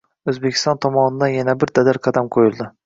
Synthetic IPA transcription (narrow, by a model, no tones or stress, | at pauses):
ɵzbekʲɪ̥st̪ɒnt̪ʰɒmɒnɪd̪anjanabɪɾd̪ad̪aɾqʰɑd̪amqʰojɪlˠd̪ɪ